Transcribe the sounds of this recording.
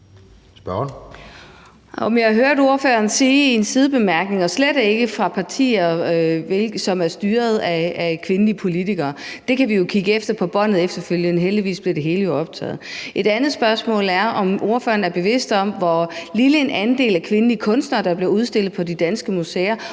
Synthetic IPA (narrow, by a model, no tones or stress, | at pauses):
sb̥ɶ | ɒ̽mjɑ̈hɑ̈ɦøɐɾo̝ɐfø̰ːɐnsiːe̝nsiðˠb̥e̝mæɐɡ̥ne̝ŋɒ̽sled̥e̝ɡ̥əfʁɑ̈pʰɑ̈t͡sʰḭːɐʋelɡ̥sɒ̽mæɐsd̥yːɐð̞̩ˠæækʰʋe̝nəliəpʰo̝lit͡sʰiɡ̥ɐːd̥e̝kʰæʋijo̝kʰiɡ̥əefd̥ɐpʰɒ̽b̥ɒ̽n̰ð̩ˠefd̥ɐføljənɦeld̥iʋḭːsb̥leɐd̥e̝ɦe̝ːləjo̝ɒ̽b̥̚t͡sʰɛ̰ːð̩ˠʔe̝ɾ̥ænð̩ˠsb̥ɶɐsmɔ̰̽ːlæɐɒ̽mʔo̝ɐfø̰ːɐn̩æɐb̥e̝ʋe̝sd̥ɒ̽mʋɒliləe̝nʔænd̥e̝̰ːlækʰʋe̝nəliəkʰɔ̽nsd̥nɐːd̥ɑ̈b̥le̝ɐuð̞ˠsd̥e̝l̰ð̩ˠpʰɒ̽d̥id̥ænsɡ̥əmusḛːɐ